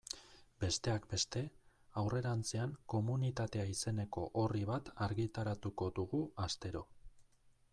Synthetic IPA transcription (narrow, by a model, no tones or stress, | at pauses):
be̞st̪e̞akbe̞st̪e̞ | awre̞ɾant͡se̞aŋko̞munit̪at̪e̞aise̞ne̞ko̞̰ʔoriβat̪aɾɣit̪aɾat̪uko̞d̪uɣuast̪e̞ɾo̞